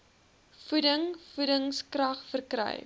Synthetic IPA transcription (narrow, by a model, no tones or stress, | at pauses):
fudəŋfudəŋskrɐχfərkrə̰j